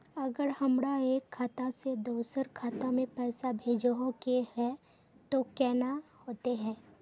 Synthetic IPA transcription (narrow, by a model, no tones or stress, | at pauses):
ɐɡəɾhɐmɾaeːkʰːaːt̪ased̪oːsəɾkʰaːt̪amẽpɛːsabʱeːd͡ʒɦokehɛ | t̪okɛːnahoːt̪eɦɛ̃ː